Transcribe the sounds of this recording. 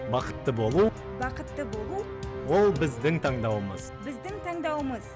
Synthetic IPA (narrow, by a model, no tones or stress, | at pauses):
bɑqə̥t̪ːəbo̞lˠu | bɑqət̪ːəbo̞lˠu | wo̞lˠbɪzd̪ɪŋt̪ʰɑɴd̪ɑwəməzbɪzd̪ɪŋt̪ʰɑɴd̪ɑwəməz